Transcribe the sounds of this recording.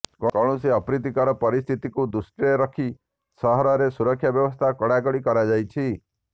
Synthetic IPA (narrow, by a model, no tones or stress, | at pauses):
kkɔɽ̃usiɔpɾit̪ikɔɾɔpɔɾist̪ʰit̪ikud̪usʈɾiɾɔkʰi | sɔɦɔɾɔɾesuɾɔkʰːjabjɔbɔst̪ʰakɔɽaɡɔɽikɔɾad͡ʒajt͡ʃʰi